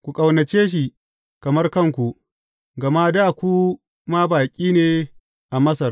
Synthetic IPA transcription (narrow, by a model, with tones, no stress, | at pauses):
kʷu˨kʼɐ˨wnɐ˨t͡ʃeː˦ʃ̬i˨ | kɐ˨mɐ˦rkɐ˦˨ŋkʷu˨ | ɡɐ˨ma˦daː˦˨kʷu˦ | ma˦baː˨kʲʼiː˦neː˨ | ʔa˨mɐ˦sɐ˨r